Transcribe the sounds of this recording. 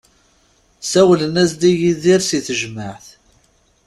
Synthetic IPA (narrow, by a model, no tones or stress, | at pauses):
sæwlənæsd̪ijiðiɾsiθəʒmaʕθ